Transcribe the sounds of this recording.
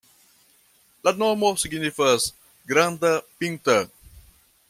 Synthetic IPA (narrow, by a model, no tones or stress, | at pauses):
lanomosiɡnifəs | ɡɾand̪ɐpint̪ɐ